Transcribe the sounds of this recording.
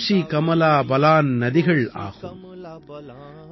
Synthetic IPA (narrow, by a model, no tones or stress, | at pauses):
ʂikɐmɐlaːbɐlaːnnɐðɪɣɐɭa̰ːɣɯ̰m